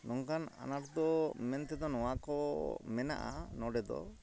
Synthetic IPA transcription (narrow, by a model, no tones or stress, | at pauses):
nɔŋkana̰naɾd̪ɔmɛnt̪ɛd̪ɔnɔwakɔmɛna̰ʔa̰nɔɖɛd̪ɔ̰